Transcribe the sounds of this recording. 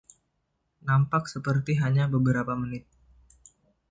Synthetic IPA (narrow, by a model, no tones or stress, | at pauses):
nampak̚səpərt̪iɦaɲabəbəɾapamənɪt̪̚